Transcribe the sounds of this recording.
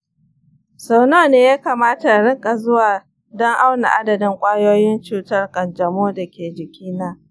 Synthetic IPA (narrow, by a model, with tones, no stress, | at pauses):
so˨noː˦˨neː˦jaː˦kaː˨maː˦ta˨ɽɪ˦kʼa˨zʊ˦waː˨ | dɔ˦ŋʔa˦wna̰˨ʔa˦dɐ˨dɪ˦ŋkʷʼaː˦joː˦jɪ˦nt͡ʃuː˨tɐ˦rkʼɐ˨nd͡ʒɐ˨moː˦da˨kʲeː˨d͡ʒɪ˨kʲiː˦naː˦